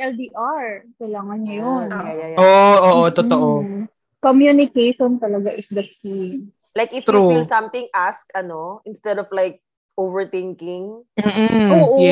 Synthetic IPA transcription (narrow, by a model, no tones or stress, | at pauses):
ʔɛld̪iʔaɹkɐjlaːŋɐnŋɐjonajajoʔʔoːʔot̪ot̪oʔo | komjunɪkejʃont̪ɐlɐɡaʔɪsd̪ɐt̪sim | lajkɪft̪ɾuilsɐ̃mt̪ɪ̃ŋʔaskɐnoʔɪ̃nst̪ɛd̪ɔvlajk̚ | ʔovɛɹt̪ɪ̃ŋkɪ̃ŋm̩ːoːʔojɛ